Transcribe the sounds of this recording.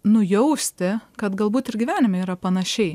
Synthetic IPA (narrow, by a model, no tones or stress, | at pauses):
nʊjɛʊsʲt̪ʲɪkɐt̪ɡɐlˠbuːt̪ɪɾɡʲiʋʲæːnʲɪmʲɛiːɾɐpɐnɐʃʲɛɪ